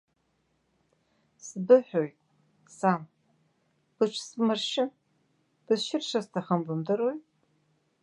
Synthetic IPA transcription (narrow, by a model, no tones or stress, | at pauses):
sɨbɨħʷoj | saːm | b̥ɨt͡ʃʷʰsɨmɐrʃɪ | b̥ɨʃɪrʃɐstʰɐχɐmbʊmdɐɾoːj